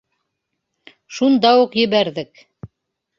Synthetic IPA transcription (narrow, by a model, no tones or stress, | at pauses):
ʃund̪ɑuqjɘ̆βæɾðɘk